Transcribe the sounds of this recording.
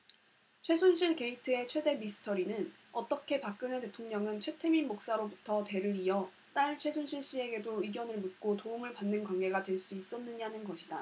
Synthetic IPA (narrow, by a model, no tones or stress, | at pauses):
t͡ɕʰwe̞sʰunɕʰiɭke̞itʰɯe̞t͡ɕʰwe̞de̞misʰɯ̥tʰʌɾinɯn | ʌt͈ʌkʰe̞pak̚k͈ɯnɯnte̞tʰoŋɲʌŋɯnt͡ɕʰwe̞tʰeminmok̚s͈aɾobutʰʌte̞ɾɯɾiʌ | t͈aɭt͡ɕʰwe̞sʰunɕʰiɭɕ͈ie̞ɡe̞doiɡjʌnɯɭmɯt̚k͈otouŋɯɭpanːɯnkwanɡe̞ɡadwe̞ɭs͈uis͈ʌnːɯɲanɯnɡʌɕʰida